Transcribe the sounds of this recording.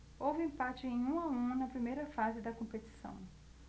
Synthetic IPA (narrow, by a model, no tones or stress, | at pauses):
owvɪẽpat͡ʃɪẽj̃ũaũnɐpɾimejɾɐfazɪd̪ɐkõpet͡ʃi̥sɐ̰̃w̃